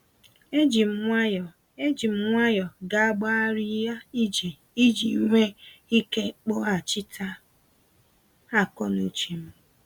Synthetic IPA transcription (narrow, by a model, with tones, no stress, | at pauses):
e˦d͡ʒi˨m̩˨ŋʷa˦jɔ˨ | e˦d͡ʒi˨m̩˦ŋʷa˦jɔ˨ɡa˨a˦ɡ͡ba˦a˦ɾi˦ja˦i˦d͡ʒi˨ | i˦d͡ʒi˨˦ŋʷe˦i˦ke˦k͡po˦a˨t͡ʃi˦tʰa˦ | a˦˨kɔ˦nu˦t͡ʃi˨m̩˦